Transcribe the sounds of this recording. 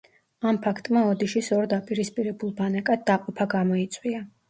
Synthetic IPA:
ampʰakʰt̪ʼmaɔd̪iʃisɔɾd̪apʼiɾispʼiɾɛbulˠbanɛkʼad̪̚ːaqʼɔpʰaɡamɔit̪sʼwia

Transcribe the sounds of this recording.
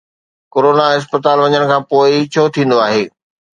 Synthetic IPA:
koːɾoːnaɪs̬pət̪aːlʋɐ̃ɲəɽ̃kʰãːpoːɪt͡ɕʰoːt̪ʰĩːn̆d̪oaːɦeː

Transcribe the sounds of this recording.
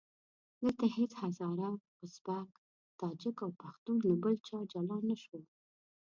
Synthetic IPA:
d̪əlt̪ahet͡shazɑɾa | ʊsbak | t̪ɑd͡ʒɪkawpaxt̪unlabəlt͡ʃɑd͡ʒalɑnːaʃwəl

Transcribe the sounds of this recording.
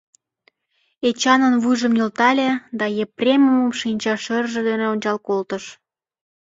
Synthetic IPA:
et͡ɕɑnənβuʒə̆mnʲolt̪ɑlʲed̪ɑjeprʲemuməmʃinʲt͡ɕɑʃərʒĕd̪eneonʲt͡ɕɑlkolt̪əʃ

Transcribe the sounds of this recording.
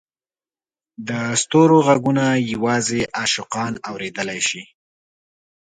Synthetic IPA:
d̪əst̪oɾoɣaɡunajawɑzeʔaʃʊqɑnawɾed̪əlajʃi

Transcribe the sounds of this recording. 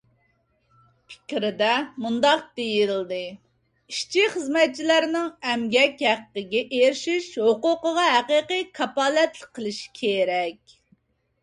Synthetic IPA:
pʰɪ̥kʲɾɪd̪ɛmund̪ɑq̚d̪ejild̪ɨ | iʃt͡ʃʰiχəzmɛt̪̚t͡ʃʰilæɾnɪŋɛmɡʲɛkʲɦæqːəɡʲɛʔeɾʃiʃɦoqʊqəʁɑɦæqiqɨjkʰɑpɑːlɛt̪ləqʰːəlˠɨʃi̥kʲʰeɾɛkʲ

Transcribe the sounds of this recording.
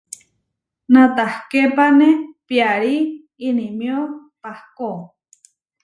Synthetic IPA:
nãt̪ahkepanẽpiaɾiː | nĩmjo | pahko

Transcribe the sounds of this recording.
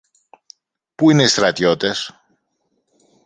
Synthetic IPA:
puine̞ist̪ɾɐt̪o̞t̪e̞s

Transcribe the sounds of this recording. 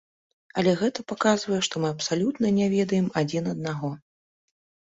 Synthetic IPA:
ɐlʲɛɣɛt̪ɐpakazvɐjɛʂt̪ɔmɨɐpsalʲut̪nɐnʲɛvʲɛd̪ɐjɛmad͡zʲinɐd̪̚naɣɔ

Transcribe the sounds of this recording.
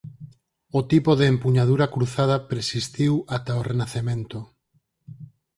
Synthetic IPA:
ot̪ipoðeːmpuɲað̞uɾakɾuθað̞apɾesist̪iwat̪aorenaθemẽnt̪o

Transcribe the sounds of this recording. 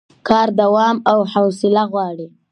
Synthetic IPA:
kɑɾd̪awɑmawhawsɪlaɣwɑɽi

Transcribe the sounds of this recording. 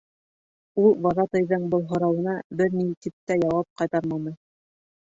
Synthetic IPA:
ulˠwɑðɑt̪ɤ̆jðɤɴbɤ̆lˠɦŏɾɑwɤ̆nɑbɘɾnit̪ip̚t̪æjɑwɑp̚qɑjt̪ɑɾmɑnɤ

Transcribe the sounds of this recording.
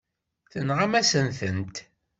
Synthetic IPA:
θənʁamæsənθənt̪

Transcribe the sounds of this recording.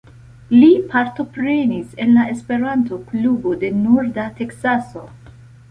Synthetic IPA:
lipʰaɾto̞pɾe̞nise̞nlae̞spe̞ɾanto̞klubode̞nuɾdate̞ksaso̞

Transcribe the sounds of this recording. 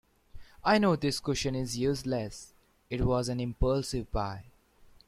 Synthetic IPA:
aɪnoːd̪ɪskʊʃə̃nɪzjuzlɛs | ɪʈwɔːzæ̃nɪ̃mpəlsɪʋpaɪ

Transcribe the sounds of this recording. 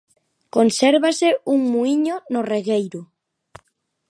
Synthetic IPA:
konsɛɾβasɪuŋmuiɲonʊreɣejɾʊ

